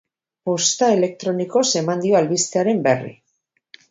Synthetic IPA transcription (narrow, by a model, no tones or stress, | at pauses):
po̞st̪ae̞le̞k̚t̪ɾo̞niko̞se̞mand̪io̞alβist̪e̞aɾe̞mberḭ